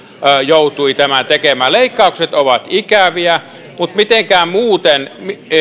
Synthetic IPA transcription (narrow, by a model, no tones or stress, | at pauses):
jout̪uit̪æmæt̪ekemæːleikːɑˑukset̪oʋɑt̪ikæʋiæ | mut̪mit̪eŋkæːmuːt̪enmi